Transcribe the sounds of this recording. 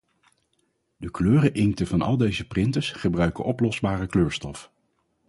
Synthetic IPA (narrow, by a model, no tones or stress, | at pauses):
dəkløːrəʔɪŋktəvɑnɑ̰lˠdejzəprɪntəsχəbrœɥkə̰ʔɔplɔzbaːrəkløːɹstɔf